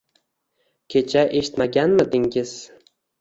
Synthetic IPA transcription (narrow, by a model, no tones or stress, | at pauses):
kʲʰe̞t͡ʃʰaʔe̞ʃɪ̥t̪maɡʲanmɪd̪ɪŋɡʲɪz̥